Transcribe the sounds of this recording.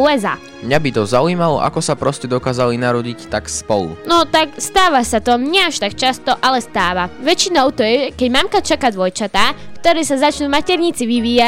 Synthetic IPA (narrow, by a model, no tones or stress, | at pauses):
uɛza̰ː | mɲabit̪ɔzauiːmalɔ̰ʔa̰kɔsapɾɔscɛd̪ɔkaːzalinaɾɔɟict̪akspɔlṵnɔt̪akst̪aːʋasat̪ɔmɲɛaʃt̪akt͡ʃast̪ɔʔalɛst̪aːʋaʋɛt͡ʃinɔʊt̪ɔjɛʒɛkɛɟmamkat͡ʃakad̪ʋɔjt͡ʃat̪aːkt̪ɔɾɛːsazat͡ʃnuːmacɛɾɲit͡siʋiʋiːja